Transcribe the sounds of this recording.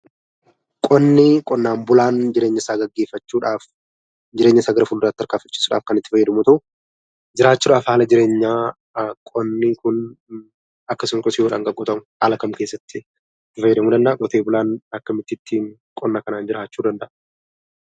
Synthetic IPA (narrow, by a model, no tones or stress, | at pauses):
kʼɔnːiːkʼɔnːaːmbʊlaːnd͡ʒɪɾeːɲːɪsaːɡɐɡːe̞ːfːɐt͡ʃːuːᶑaːf | d͡ʒɪɾeːɲːɐsaːɡɐɾɐfʊlːʊraːt̪t̪ːɐɾkaːfɐt͡ʃːi̥ːsʊᶑa̰ːfkɐnɪt̪ːɪfɐjːɐd̪ɐmʊt̪ɐʔʊ | d͡ʒɪɾaːt͡ʃːuːᶑaːfhaːlɐd͡ʒɪɾe̞ːɲːaː | kʼɔnːiːkʊn | ɐkːɐsʊŋkʊsɪjoːᶑa̰ːŋɡɐɡʼːʊt̪ɐmʊhaːlɐkɐmke̞ːsːɐt̪ːɪ | ɪt̪ːɪfɐjːɐd̪ɐmuːd̪ɐnd̪ɐʔɐɡɔt̪eːbʊlaːnɐkːɐmɪt̪ːɪːt̪ʰːiːŋkʼɔnːaːkɐnaːnd͡ʒɪɾaːt͡ʃːuːd̪ɐnd̪ɐʔɐ